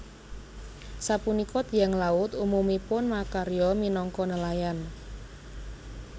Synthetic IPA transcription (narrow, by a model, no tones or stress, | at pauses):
sapunikɔt̪ijaŋlaʊt̪umumipʊnmakaɾjɔminɔŋkɔnəlajan